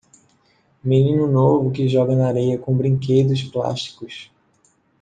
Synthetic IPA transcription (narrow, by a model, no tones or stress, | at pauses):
mĩnĩnʊnovʊkɪʒɔɡɐnɐaɾejɐkõbɾĩŋked̪ʊspla̰ʃt͡ʃi̥kʊs